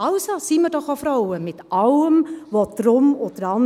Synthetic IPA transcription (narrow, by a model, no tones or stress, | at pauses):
ɑʊsosiməɾdɔχofɾɔwəmɪt̪ʔɑwəmvot̪ɾʊmʊt̪əɾɑn